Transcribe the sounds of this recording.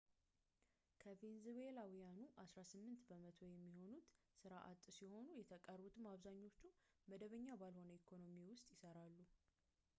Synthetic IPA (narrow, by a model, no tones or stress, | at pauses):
kʰəvenzwelawijanuʔasɾasɨmːɨnt̪bəmət̪ʰo̞jɛmːiho̞nut̪ | sɨɾaʔa̰t̪ʼːsiho̞nujɛt̪ʰəkʼərbut̪ʰɨmaβzaɲːo̞t͡ʃːu | məd̪əβəɲːabalho̞nəikʰo̞no̞miwʊst̪ʼjɪsəɾalːu